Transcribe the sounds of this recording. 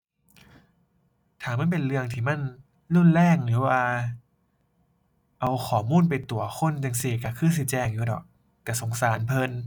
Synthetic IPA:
t̪ʰaː˨˦ma˥˨npe˧nlɯ˧əŋt̪ʰiː˧˩ma˧˥˨n | lu˥˨nlɛː˥˩ŋnɯː˨˩˦waː˧˩ | ʔa˧wxʰɔː˩˦muː˧˥˨np̬a˧jt̪u˧˩ɐxʰo˧˥˨nt͡ɕa˧ŋsi˧˩ka˨˩kʰɯː˥˨ns̬iː˧˩t͡ɕɛː˧ŋjuː˨˦dɔ̰ː˨˩k̚ | t̪ɛː˨˩so˨˩˦ŋsaː˨˩˦npʰɤ˧n

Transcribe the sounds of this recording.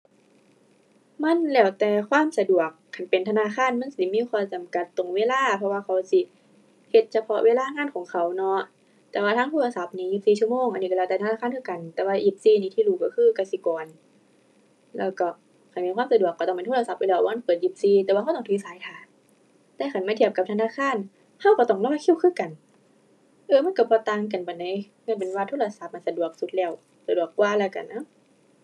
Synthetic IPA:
ma˧˥˨nlɛː˧˩wt̪ɛː˨kʰwaː˥˨msa˧du˨˩ək̚ʰːa˨˩npe˨nt̪ʰa˧naː˧˥˨xʰaː˧˥˨nma˧˥˨nsi˧˦miː˧˥˨xʰwɔː˧˩t͡ɕa˨mka˨˦t̪ːo˨˩ŋweː˧˨laː˧˥˨pʰɔ˧waː˧kʰa˨˦wsi˧˦ | he˧t̪̚t͡ɕʰa˧pʰɔ˧˥ʔwʔeː˧˥˨laː˧˥˨ŋaː˧˥˨nkʰɔː˨˦ŋkʰa˨˦wnɔ˧˦ʔ | t̪ɛː˧˦waː˧aː˧˥˨ŋʰo˧˥˨la˧sa˧˦p̚niː˧˦ji˧˩p̚siː˨t͡ɕu˧˨moː˧˨ŋʔa˨nːiː˧ka˧lɛː˧˩t̪ɛː˨˩t̪ʰa˧naː˧˥˨a˧˥˨nkʰɯː˧˩ka˨nt̪ɛː˨˦waː˧ʔi˧˩p̚siː˧niː˧t̪ʰiː˧luː˧˩kɔ˧kʰɯː˧˨ka˧˩si˧˦kɔː˨n | lɛ̰ː˧˩˨wkɔ˧˩ | ka˧˩nmiː˧˨nkʰʷwːmsa˧du˨˩kːa˧˩t̪ɔ˧˩ŋpe˨ntʰoː˥˨la˧sa˧˦pʔa˧˨lɛː˧˩waː˧ma˧˥˨pɤː˨˩t̪̚ji˧˦p̚siː˧t̪ɛː˧˩waː˧ha˧˥˨t̪ɔ˧ŋnt̪ʰiː˧˨saː˨˦jt̪ʰaː˧˦ | t̪ɛː˧˥˨kʰa˧˩nmaː˧˥t̪ʰi˧˩əp̚ka˧˦t̪ʰa˧naː˧˥˨kʰaː˧˥˨n | ha˧˥˨wkɔ˧˩t̪ɔ˧˩ŋlɔː˧˨jkʰi˧˩˨wkʰɯː˧˥˨ka˨n | ʔɤː˧ma˧˥˨nka˧˩bɔː˧˦t̪aː˧ŋk̬a˨˩nba˨˩na˧˨j | ŋː˧˥˨np̬e˨nwaː˧t̪ʰoː˧˨la˧sa˧˦p̚ma˧˨nsa˧du˨˩ək̚su˧˦t̪̚lɛː˧˩˨w | sa˧˨du˨˩əkːwaː˧˨laː˧˩ka̰˨˩nːa˧˦

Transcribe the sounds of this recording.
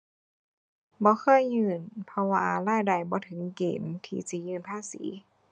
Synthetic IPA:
bɔː˧˦xʰɤː˧˥˨jːɯː˧˩npʰɔ˧wa̰ː˧laː˧˥˨jda˧˩jbɔː˧˦t̪ʰɯ˨˩˦ŋkḛː˨˦nt̪ʰḭː˧si˧˦jɯː˧˨npʰaː˧˥˨sḭː˨˩˦

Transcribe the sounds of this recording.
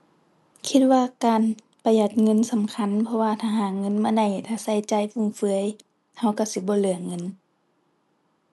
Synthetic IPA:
kʰi˧t̪̚waː˧kaː˨n | pa˨˧ja˨˧˩t̪̚ŋɤ˧˥˨nsa˨˦mkʰa˧˥˨npʰɔ˧waː˧t̪ʰaː˧ɦaː˨˩ŋɤ˧˥˨nmaː˧˨da˧˩jt̪ʰaː˧˩sa˧˩˨jt͡ɕa˧˩jfu˧˨ŋfɯ˧˦ə˨j | ha˧˩wka˧˩wsi˧˦bɔː˧˦lɯ˧˩əŋɤ˧˥˨n

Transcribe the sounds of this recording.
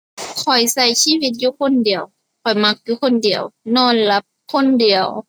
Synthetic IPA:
kʰɔ˨˩jsa˧˩jsiː˧˥˨wi˧˦t̪̚juː˧˦kʰo˧˥˨ndi˨˩əw | kʰɔ˨˩jma˧˦˥k̚juː˧kʰo˧˥˨ndi˨˩əwnɔː˧˥˨nla˧˦p̚ | kʰo˧˥˨ndi˨˩əw

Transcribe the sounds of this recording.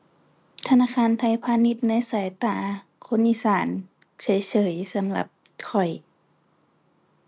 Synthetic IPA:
t̪ʰa˧naː˧˥˨kʰaː˧˥˨nt̪ʰa˧˩jpʰaː˧˥ni˧˦t̪̚na˧˥˨jsaː˨˦jt̪aː˧˩˦ | kʰo˧˥˨nʔi˧˨saː˨˩˦n | sɤː˧˨˦jsɤː˨˦jsa˨˦mla̰˧˦p̚kʰɔ˨˩j

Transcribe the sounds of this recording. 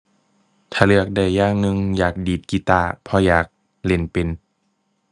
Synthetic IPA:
t̪ʰaː˧˨lɯ˧˩ək̚da˧˩jːaː˧˩ŋnɯ˧ŋjaː˨˩k̚diː˨˩t̪̚ki˧t̪aː˧˩pʰɔ˧jaː˨˩k̚ | le˧˩npe˧˨n

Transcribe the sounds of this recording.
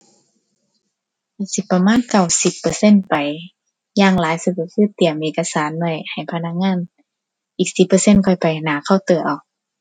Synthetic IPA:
a˧˩si˧˦pːa˧maː˧˥˨nka˧˩wsi˨˧˦pːɤː˧se˧˥˨npa˨˩j | jaː˧˩ŋlaː˨˦jsɯ˧˩ka˧˩kʰɯː˧˥˨t̪i˨˩əmʔeː˨˧ka˧saː˨˦nwa˧˩jha˨˩jpʰa˧na˧k̚ŋaː˧˥˨n | ʔiː˨˩k̚si˨˧˩pːɤː˧˦se˧˥˨nkʰɔ˧˩jpa˨˩jnaː˨˩˦kʰa˧˩wt̪ɤː˨˩ʔɔː˨˩k̚

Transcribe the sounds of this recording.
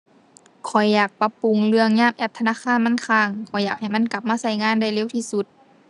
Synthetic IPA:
kʰɔ˨˩jːaː˨˩k̚pa˧pːu˧˩ŋlɯ˧əŋɲaː˧˩˨mʔɛː˧˩p̚t̪ʰa˧naː˧˨kʰaː˧˥˨nma˧˥˨nkʰaː˧˩ŋkʰɔ˨˩jaː˨˩k̚ha˨˩jma˧˥˨nka˧˦p̚maː˧˥˨sa˧˩jŋaː˧˥˨nda˧˩jle˧˨wt̪ʰiː˧˩su˧˦t̪̚

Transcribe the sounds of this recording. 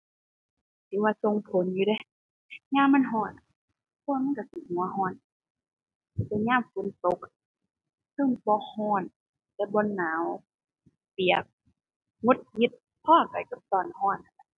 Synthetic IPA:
siː˨˦waː˧so˧ŋpʰo˨˦njuː˧ɾa˧˨ | ɲaː˧˨mːa˧˥˨nɦɔː˧˩n | pʰɔ˧˨ma˧˥˨ka˧˩si˧˨hu˨˦ɐɦɔː˧˥˩n˧˨˩ | t̪a˧˦ɲaː˧˥˨mfu˨˦nt̪o˧˦k̚ | sʰɤ˧˩˨ŋbɔ˧˦hɔː˧˥˩n | t̪ɛ˧˦bɔː˧˦nːaː˨˦w | pi˨˩ək̚ | ŋo˧˦t̪̚hi˧˦t̪̚ | pʰɔː˧˩˨ka˨˩jka˧˦p̚sɔː˧˩˨nhɔː˧˩˨na˨˧˩na˧˦

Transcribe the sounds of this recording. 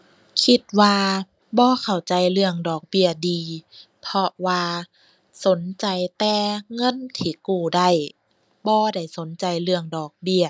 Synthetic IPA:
kʰi˧t̪̚waː˧ | bɔː˧˦kʰa˨˩wt͡ɕa˨jlɯ˧əŋdɔː˨˩k̚bi˧˩ədiː˨ | pʰɔ˧waː˧ | so˨˦nt͡ɕa˨jt̪ɛː˧ŋɤ˧˥˨nt̪ʰiː˧˩kuː˧˩da˧˩j | bɔː˧da˧˩jso˨˦nt͡ɕa˨jlɯ˧əŋdɔː˨˩k̚bi˧˩ə

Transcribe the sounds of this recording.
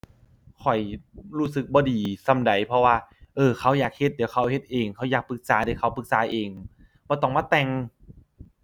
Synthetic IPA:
kʰɔ˨˩jɾuː˦˥sɯ˨˧˦k̚bɔː˧˦diː˧˩sa˧˩mda˨˩˦jpʰɾɔ˧waː˧˩ʔɤː˧˩kʰa˧˥˩wjaː˨˩k̚he˧˦t̪̚di˨˦wkʰa˧˥˩whe˧˦t̪̚ʔeː˨˧˩ŋkʰa˧˥˩wjaː˨˩k̚pɯ˨˧˦k̚saː˨˦daː˨˩˦wkʰa˧˥˩wpɯ˧˦k̚saː˨˦ʔeː˧˩ŋ | bɔː˧˦t̪ɔ˧˩ŋmaː˧˥˩t̪ɛ˧ŋ

